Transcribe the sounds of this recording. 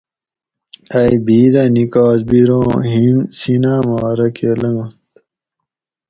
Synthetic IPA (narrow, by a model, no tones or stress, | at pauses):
ɐibiːd̪ɐnikaːzbiɾõːɦinsinaːmaːɾɐkʰeːlɐŋɐt̪